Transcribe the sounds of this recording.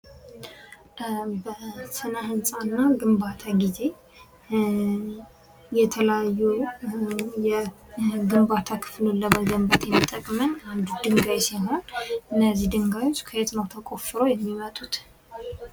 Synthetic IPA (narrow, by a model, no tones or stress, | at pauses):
bəsɨnəhɨnsʼanːaɡɨmbat̪ʰaɡize̞ | jɛt̪ʰələjajːu | jɛ | ɡɨmbat̪ʰakʰɨ̥flolːəməɡəmbət̪jɛmːit̪ʼːəkʼmənand̪d̪ɨŋɡajsiɦo̞nʔɨnːəzːihd̪ɨŋɡajot͡ʃːkʰəhet̪nəwt̪ʰəkʼo̞fɨɾojɛmːimət̪ʼut̪